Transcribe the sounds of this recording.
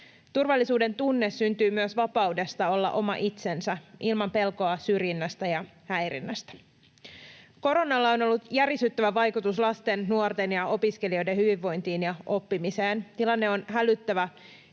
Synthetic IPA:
t̪urʋɑlːisuːde̞nt̪unːe̞sːynt̪yːmyøsʋɑpɑude̞st̪ɑo̞lːɑ̰ʔo̞mɑ̰ʔit̪se̞nsæʔilmɑmpe̞lko̞ɑsyrjinːæst̪æjɑhæjɾḭnːæst̪æ̥ | ko̞ɾo̞nɑlːɑo̞no̞lːut̪jærisyt̪ːæʋæʋɑjkut̪uslɑst̪e̞nːuort̪e̞njɑo̞piske̞lio̞jdehyʋiʋːo̞jnt̪iːnjɑʔo̞pːimise̞ːnt̪ilɑnːe̞o̞nɦælyt̪ːæʋæ

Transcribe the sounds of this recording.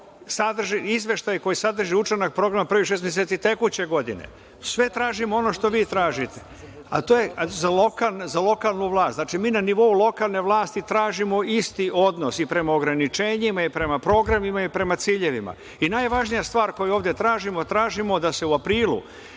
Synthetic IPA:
sad̪r̩ʒiizʋe̞ʃt̪ajko̞jisad̪r̩ʒiut͡ʃenak̚pɾo̞ɡɾamapɾʋiʃ̬esmes̬et̪it̪e̞kut͡ɕe̞ɡo̞d̪ḭnḛ | sʋe̞t̪ɾaːʒimoo̞no̞ʃt̪o̞ʋiːt̪ɾaːʒit̪e̥ | a̰t̪oːjezalo̞kalnzalo̞kalˠnuʋlˠaːst̪naːt͡ʃimiːnaniʋo̞ulˠo̞kalˠne̞ʋlˠaːst̪it̪ɾaːʒimo̞ist̪iʔo̞d̪no̞sipɾe̞maoɡɾanit͡ʃe̞ːɲimaipɾe̞mapɾo̞ːɡɾamimaipɾe̞mat̪siːʎe̞ʋima̰ | inaːjʋaʒnijast̪ʋaːɾko̞juoːvd̪je̞t̪ɾaːʒimo̞t̪ɾaːʒimo̞d̪ase̞uapɾiːlṵ

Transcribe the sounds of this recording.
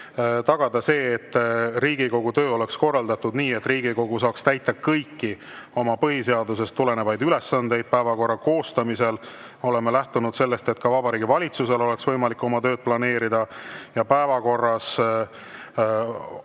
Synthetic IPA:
t̪ɑɡ̥ɑd̪ɑse̞ːt̪ːˑriːɡiko̞ɡ̥ut̪ø̞ːo̞le̞ksko̞rːɑld̪ɑt̪ud̪niːe̞t̪ːˑriːɡ̥iko̞ɡ̥usɑːkst̪æjt̪ːˑɑkɤjkːi | o̞mɑpɤɦise̞ɑd̪us̬e̞st̪ːule̞ne̞vɑjd̪yle̞sːɑnd̪e̞jd̪̥̚pæevɑko̞rːɑko̞ːst̪ɑmise̞l | o̞le̞melæht̪unud̪̥se̞lːe̞st̪e̞t̪̚kɑvɑbɑɾiːɡivɑlʲit̪suse̞lo̞le̞ksvɤjmɑlikːˑo̞mɑt̪ø̞ːd̪̥̚plɑne̞ːɾid̪̥ɑjɑpæevɑko̞rːɑs

